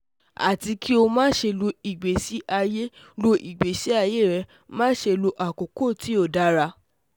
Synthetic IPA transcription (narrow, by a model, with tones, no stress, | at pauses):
a̰˨ti˧ki˦o˧mãː˦ʃe˧lo˧i˨ɡ͡be˨si˦ʔa˧je˦ | lo˧ʔi˨ɡ͡be˨si˨˦a˧je˦˨ɾɛ˧ | mãː˦ʃe˧lo˧ʔa˨ko˨ko˦˨ti˨˦o˦˨da˨˦ɾa˧